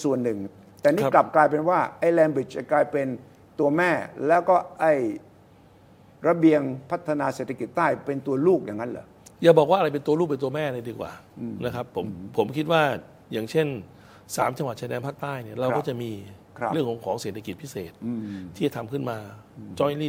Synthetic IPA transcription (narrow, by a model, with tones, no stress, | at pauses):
su˨˩ənːɯ˨˩ŋ | t̪ɛː˨˩niː˥˨˧kla˨˩p̚klaː˧jp̬e˧nwaː˥˩ʔa˧˥˩jlɛː˧nbi˨˩t͡ɕa˨˩klaː˧jpe˧n | t̪u˧ɐmɛː˥˩lɛː˦˥wkɔː˥˩ʔa˥˩j | ɾa˧bi˧əŋpʰa˦˥t̪ʰːa˧naː˧seː˨˩t̪ʰːa˧ki˨˩t̪ːaː˥˩jpe˧nt̪u˧ɐluː˥˩k̚jaː˨˩ŋːa˦˥nlɯ̰ː˨˦ | jaː˨˩bɔː˨˩k̚waː˥˩˧ɾa˧jp̬e˧nt̪u˧lu˥˩pe˧t̪u˧ɐmɛː˥˩na˧diː˧kwa̰ː˨˩na˦˥kʰɾa˦˥pʰːo˩˦mpʰo˩˦mkʰi˦˥waː˥˩ | jaː˨˩ŋt͡ɕʰe˥˩n | sa̰ː˩˦mt͡ɕa˧ŋwa˨˩t̪̚t͡ɕa˧dɛː˧npʰaː˥˩k̚t̪aː˥˩jni˥˩ɐɾa˧wɔː˥˩t͡ɕa˨˩miː˧ | ɾɯ˥˩əŋkʰɔː˩˦ŋkʰɔː˩˦ŋse˨˩t̪ʰa˧ki˨˩pʰi˦˥seː˨˩t̪̚ʰːiː˥˩t͡ɕa˨t̪ʰa˧mkʰɯ˥˩nmaː˧t͡ɕɔː˦˥jliː˥˩